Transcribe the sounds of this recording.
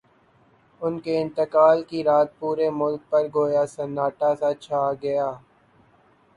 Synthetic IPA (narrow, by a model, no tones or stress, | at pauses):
ʊnkeɪ̃nt̪əkaːlkiɾaːt̪̚puːɾemʊlk̚pɐɾɡoːjasɐnaːʈasat͡ʃʰaːɡɐjaː